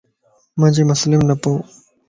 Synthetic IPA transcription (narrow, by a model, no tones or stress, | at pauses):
mãːd͡ʑemʊslɪmnɐpoː